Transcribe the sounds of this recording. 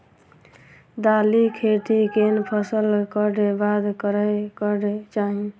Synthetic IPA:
d̪alikʰeʈ̪ikenpʰəsəlkəɽebad̪kəɾəkəɽet͡ʃaɦĩ

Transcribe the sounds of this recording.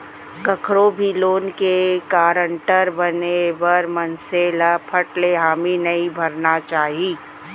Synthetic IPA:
kɐkʰɾobʱiloːnkekaːɾəɳʈəɾbɐnebɐɾmɐnseləpʰəʈleɦaːminɐɦĩbʱɐɾnat͡ʃaːɦiː

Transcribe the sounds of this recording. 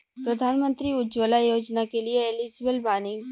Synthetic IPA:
pɾɐd̪ʱaːnmə̃nt̪ɾiʊd͡ʒoːlajoːd͡ʒnakelieːlid͡ʒbəlbaːnɪ̃ŋ

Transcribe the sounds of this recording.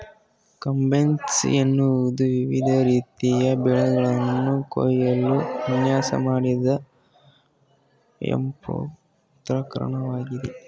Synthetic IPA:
kɐmbensenːud̪uʋiʋid̪ʱɐɾiːt̪ijɐbɛɭɐɡɐɭɐnːuko̰jɐlːuɐnjaːsɐ̰maːɽid̪ɐ | ḛmpo̰ | t̪ɾɐkɐɾɐ̰ɳɐʋaːɡid̪e

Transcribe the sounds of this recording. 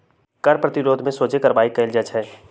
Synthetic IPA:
kɐɾpɾɐt̪ɪɾoːd̪ʱmẽsoːt͡ʃekɐɾbaːikɐɪld͡ʒət͡ʃɦɛː

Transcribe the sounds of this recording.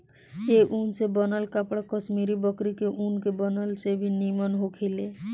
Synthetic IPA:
eʔunsebənəlkapɽakəsmiɾibəkɾikeʔunkebənəlsebʱinimənɦokʰele

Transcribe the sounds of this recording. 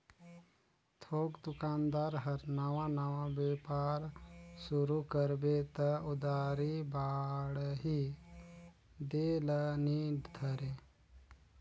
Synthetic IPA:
t̪ʰoːɡd̪ʊkaːnd̪aːɾɦəɾnəʋãnəʋãbeːpaːɾsʊɾukəɾbet̪əʊd̪aːɾibaːɽɦi | d̪eːləniɖd̪ʰʱəɾe

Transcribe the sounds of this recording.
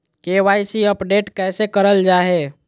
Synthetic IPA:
keʋaːisiəpɖeːʈkɛːsekəɾəld͡ʒaːɦe

